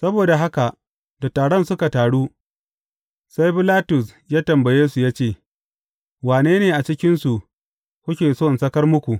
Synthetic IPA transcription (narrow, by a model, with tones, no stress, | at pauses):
sɐ˦boː˨da˨ɦa˦ka˨ʔ | da˨tːaː˨ɽɔ˦nsʊ˦ka˨taː˨ɽu˦ | sa˦jbɪ˦laː˦tʊ˨sjaː˦tɐ˨mbɐ˨jeː˦su˨jaː˦t͡ʃeː˦˨ | waː˨neː˦neː˨ʔa˨t͡ʃɪ˦kʲɪ˦nsu˨ | kʷʊ˦kʲeː˨soː˦˨nsɐ˦kɐ˦rmʊ˦kʷu˨ʔ